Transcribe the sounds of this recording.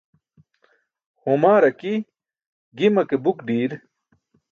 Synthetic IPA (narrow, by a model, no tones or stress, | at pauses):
homaːɾɐki | ɡimɐkebukɖiːɾ